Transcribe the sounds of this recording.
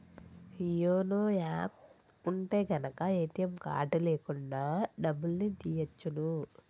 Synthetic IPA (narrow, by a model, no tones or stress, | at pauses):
hijoːnoːaːp̚ | uɳʈe̞ːɡɐnɐkɐeːt̪ijɐmka̰ːʈuleːkuɳɖaːɖɐbːulnit̪ijɐt͡ʃːunu